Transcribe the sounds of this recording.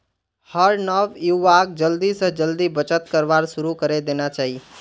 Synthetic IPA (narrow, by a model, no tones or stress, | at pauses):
həɾnəʋjuakd͡ʒəld̪isə̃d͡ʒəld̪ibət͡ʃət̪kəɾʋaɾsʊɾukəɾed̪eːnat͡ʃaːɦi